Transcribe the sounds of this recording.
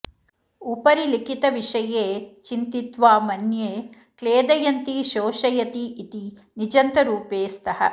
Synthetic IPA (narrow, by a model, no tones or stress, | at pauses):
upɐɾilikit̪ɐʋiʂɐjeːt͡ʃint̪it̪ʋaːmɐnjeː | kleːd̪ɐjɐnt̪iʃoːʃɐjɐt̪iːt̪i | nid͡ʒɐnt̪ɐɾuːpeːst̪ɐhɐ̰